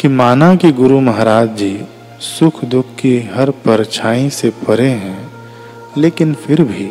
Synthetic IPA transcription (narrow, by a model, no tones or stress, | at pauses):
kimaːnakiɡʊɾumɐɦɾaːd͡ʒd͡ʒiː | sʊkʰd̪ʊkʰkːiɦɐɾpəɾt͡ʃʰaːĩsepɐɾeɦɛ̃ | leːkɪnfʰɪɾbʱiː